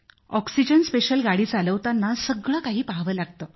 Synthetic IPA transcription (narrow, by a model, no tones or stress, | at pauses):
ɔksid͡ʑənspeɕəlɡaɽiːt͡saləʋt̪anːasəɡɭakaɦiːpaɦʋəlaɡt̪əː